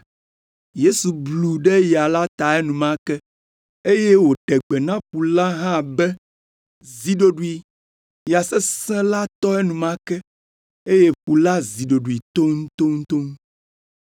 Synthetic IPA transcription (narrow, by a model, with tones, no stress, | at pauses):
je˦su˨blu˨ɖɛ˦ja˨la˦t̪a˨ɛ˦nũ˨mã˦kɛ˦ | e˦je˦wo˨ɖɛ˨ɡ͡bɛ˨nã˦ɸu˨la˦ɦã˦˨bɛ˦ | zi˨ɖo˦ɖu˨i˨ | ja˨sɛ˦sɛ̃˦la˦t̪ɔ˦e˦nũ˨mã˦kɛ˦ | e˦je˦ɸu˨la˦zi˨ɖo˨ɖu˨i˨t̪o˦ŋũ˦t̪o˦ŋu˦t̪o˦ŋ˦